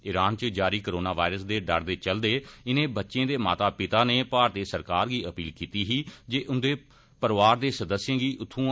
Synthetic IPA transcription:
ɪɾaːnt͡ʃəd͡ʒaːɾiːkɾoːnaːʋaːɪɾəsd̪eːɖə̰ɾd̪eːt͡ʃəld̪eːɪnẽːbətːʃẽːd̪eːma̰ːt̪aːpɪt̪aːneːpaːɾt̪eːsəɾkaːɾɡiːəpiːlkiːt̪iːɦiːd͡ʒeːʔʊnd̪eː | pəɾʋaːɾd̪eːsəd̪əsjẽːɡiːʔʊt̪ʰːũː

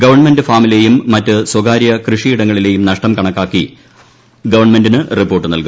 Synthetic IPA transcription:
ɡɐʋɐrɳmendɨfaːmilejumːɐtːɨswɐɡaːɾjɐkrɨʂiiɽɐŋːɐɭile̞ːjumnɐʂʈɐmkɐɳɐkːaːkːi | ɡɐʋɐrɳme̞ndinɨripːo̞ːrʈːɨnɐlku

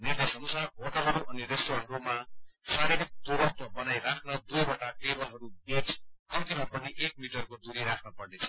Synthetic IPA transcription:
nird̪esʌnusaoʈʌɦʌɾuʔʌniɾesʈoɾanɦʌɾumasaɾiɾik̚t̪oɾʌt̪ʌbʌnajɾakʰnʌd̪ujboʈaʈebʌlɦʌɾubet͡skʌnt̪imapʌniʔek̚miʈʌrkod̪uɾiɾakʰnʌpʌrnet͡sʰʌ̥

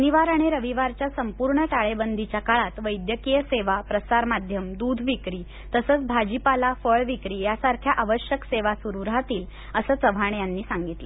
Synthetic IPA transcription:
niʋaɾaɽ̃iɾəʋiʋaɾt͡ɕjasəmpuɾɳəʈaɭebənd̪ʱit͡ɕjakaɭat̪ʋəjd̪jəkijəseʋapɾəsaɾmad̪ʱjəmd̪ud̪ʱʋikɾiː | t̪əsəːt͡sbʱad͡ʑipalafəɭʋikɾiːjasaɾkʰjaʔaʋəɕjəkseʋasuɾuɾɦat̪iːl | əsəːt͡səʋʱaɳ̃janːiːsaŋɡit̪lə

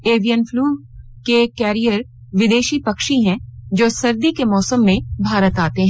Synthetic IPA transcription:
eːʋijənfʰluː | kekɛːɾijəɾ | ʋɪd̪eːʃipɐkʃiɦɛ̃d͡ʒoːsɐɾd̪ikemɔːsəmːẽbʱaːɾət̪aːt̪eɦɛ̃

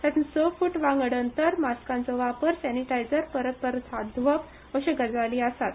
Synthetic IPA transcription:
t̪at̪insɔfuːʈʋãŋɡɽənt̪əɾmaskãnt͡sɔʋapəɾsɛniʈajd͡zəɾpəɾət̪̚pəɾt̪ʰad̪ʋəp | ʋəɕeɡəd͡zʋaliəsat̪

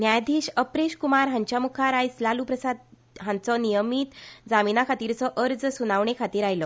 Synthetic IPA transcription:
njajd̪ʱiːɕəpɾeɕkumaɾɦãɲt͡ɕjamukʰaɾajslaluːpɾəsad̪̚ | ɦãnt͡sɔnijəmiːt̪d͡zaminakʰat̪iːɾt͡sɔʔəɾd͡zsunaʋɳekʰat̪iːɾajlɔ

